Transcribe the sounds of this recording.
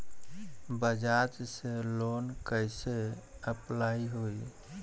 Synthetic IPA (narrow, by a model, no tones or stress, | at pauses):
bəd͡ʒad͡ʒselonkəɪseəplaiɦoi